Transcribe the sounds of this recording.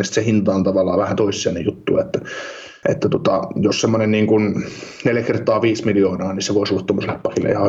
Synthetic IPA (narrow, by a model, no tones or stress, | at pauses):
esit̪sehint̪ɑːnt̪ɑʋɑlːˑɑ̰ːʋæhænt̪oˑisːˑiḛnejut̪ːṵːɑet̪ːæ | ʔḛt̪ːæt̪ot̪ɑjossemːonenniːŋkunneljækert̪ˑɑːʋiːsmiljoːnɑːnisseʋoˑisulːɑt̪ːomːoslæpːɑkilːʔḛihɑ